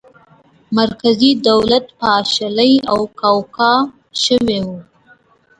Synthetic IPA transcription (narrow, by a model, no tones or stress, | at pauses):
maɾkazid̪awlat̪paʃaləjawkawkɑ | ʃəwewu